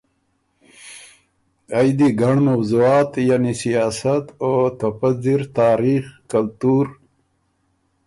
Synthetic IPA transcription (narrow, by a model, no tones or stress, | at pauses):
ajd̪iɡaɳmawzuɑːt̪janisijɑːsat̪ot̪afaziɾt̪ɑːɾixkalt̪uɾ